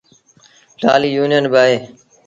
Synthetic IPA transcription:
la̰ːliːjuːnɪjənbɪaːɦeː

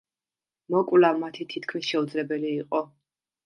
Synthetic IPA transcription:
mɔkʼwlamat̪ʰit̪ʰit̪kʰmisʃɛud̪zlɛbɛliːqʼɔ

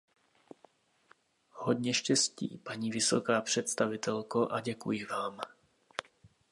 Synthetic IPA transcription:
hod̪ɲɛʃcɛscḭːpaɲiːvɪso̞kaːpr̝̥ɛt̪st̪avɪt̪ɛlkoʔaɟɛkujɪvaːm

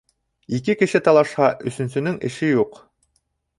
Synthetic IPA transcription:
ikɘkɘ̆ʃɘt̪ɑlˠɑʃhɑʔɵ̆sɵ̆nsɵ̆nɵŋɘ̰̆ʃɘjuq

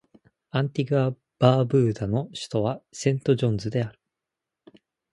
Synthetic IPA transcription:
ãnt̪ʲiɡɯa | b̥aːbɯ̟ːd̪ano̞ɕɨ̥t̪o̞β̞asẽ̞nt̪o̞ʑõ̞nzɨd̪e̞aɾɯ̟̥

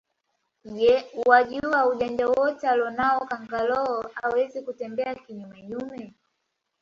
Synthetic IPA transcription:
jɛwaʄuauʄaɲd͡ʒawɔtɛalɔnaɔkaŋɡalɔɔawɛzikutɛmbɛakiɲumaɲumɛ

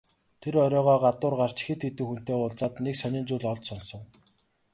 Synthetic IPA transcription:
t̪ʰeɾœɾʲɔːʁɔːɢat̪ʊːrɢar̥t͡ɕxet̪xet̪ɘ̆kxun̥t̪eːʊɮt͡saːt̪neksaniːnt͡suːɮɔɮt͡ɕsɔnsɞ̆w

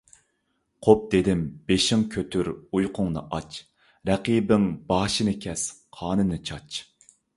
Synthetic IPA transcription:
qʰop̚d̪ed̪ɪmbeʃɪŋkʲʰøt̪ʰyɾujqʰʊŋnɨ̰ʔɑt͡ʃ | ɾɛqibɪŋbɑːʃɨnɨkʲʰɛsqʰɑːnɨnɨt͡ʃʰɑt͡ʃ

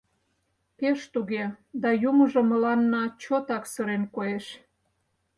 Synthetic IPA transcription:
peʃt̪uɣed̪ɑjuməʒŏməlɑnːɑt͡ɕot̪ɑksə̆ɾenkoeʃ

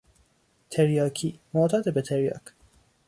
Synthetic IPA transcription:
t̪ʰeɾjɒːkʰiːmoːt̪ʰɒːd̪ebet̪ʰeɾjɒ̰ːk

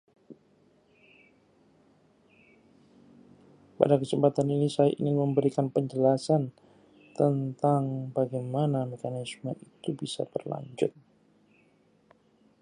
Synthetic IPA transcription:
pa̰dakət͡ʃəpat̪aninisajaʔḭnɪnməmbəɾikanpəɲd͡ʒəlasan | t̪ənt̪aŋbaɡajmanamekanismənit̪ubisa̰b̪ərla̰ɲd͡ʒʊ̰t̪̚

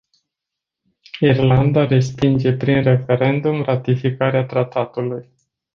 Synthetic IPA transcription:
irland̪aɾe̞spind͡ʒe̞pɾinre̞fe̞ɾe̞nd̪umrat̪ifikaɾeat̪ɾat̪at̪uluj

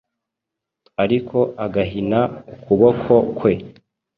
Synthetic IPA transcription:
aɾikʰo̞ʔaɡaɦinaukuβokʰo̞kwe̞

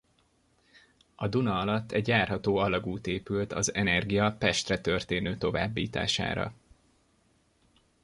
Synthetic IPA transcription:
ɒd̪unɒɒlɒt̪ːɛɟjaːrɦɒt̪oːɒlɒɡuːt̪eːpylt̪ɒzɛnɛrɡijɒpɛʃt̪rɛt̪ø̞rt̪eːnøːt̪o̞va̰ːbːḭːt̪a̰ːʃa̰ːɾɒ̰

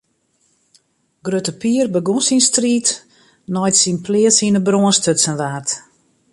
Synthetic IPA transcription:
ɡrøtəpiərbəɡusinstriːt | nɔjtsinplɪəsinəbroənstʰøtsənʋaːrt

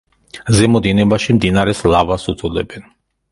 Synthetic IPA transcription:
zɛmɔd̪inɛbaʃimd̪inaɾɛslavasud̪ʰʼulɛbɛn

